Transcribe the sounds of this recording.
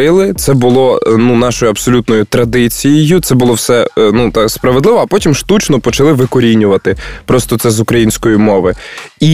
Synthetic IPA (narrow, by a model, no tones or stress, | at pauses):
ɪlˠɪt̪sɛbʊlˠɔnunɑʃɔjʊɐpsɔlʲut̪nɔjʊt̪ɾɐd̪ɪt͡sʲijɪjʊt̪sɛbʊlˠɔwsɛnut̪ɑkspɾɐʋed̪lɪʋɔɐpɔtʲimʃt̪ut͡ʃnɔpɔt͡ʃɐlˠɪʋɪkɔɾʲinʲʊʋɐt̪ɪpɾɔst̪ɔt̪sɛzʊkɾɐjinʲsʲkɔjimɔʋɪi